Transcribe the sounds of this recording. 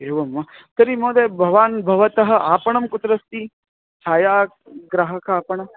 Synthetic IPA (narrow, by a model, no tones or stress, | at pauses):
eːʋɐmːɐt̪ɐɾimoːd̪ɐːbʱɐʋaːnbʱɐʋɐt̪ɐɦɐ̆ʔaːpɐɳɐmkut̪ɾɐst̪i | t͡ʃʰaːjaː | ɡɾaɦɐkʰaːpɐɳɐ